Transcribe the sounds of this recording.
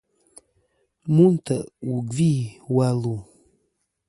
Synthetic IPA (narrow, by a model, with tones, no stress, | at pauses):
mu˦ntʰə˨ʔu˨ɡi˦˨wa˦lu˨